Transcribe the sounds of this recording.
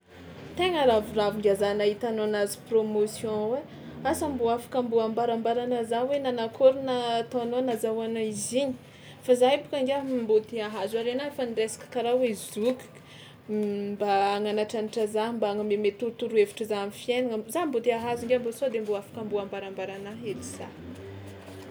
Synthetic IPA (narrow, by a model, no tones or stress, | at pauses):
t̪eŋəɾavuraviŋɡʲazanaɦit̪anoanazi̥promosjɔ̃we | asambuafḁkambuambaɾambaɾanəzawenanakʰoɾunat̪anonazawanaiziɲi̥ | fazaipu̥kaŋɡambot̪iaɦazaɾenaefaniresḁkə̥kaɾawezuk | mbaːŋanaʈ͡ʂaniʈ͡ʂazambaaŋəmemet̪uɾut̪uɾuevi̥ʈ͡ʂəzaamifienaŋəzambot̪eaɦazuŋɡeambosod̪emboafḁkambuambaɾambaɾanaɦeliz̥a̰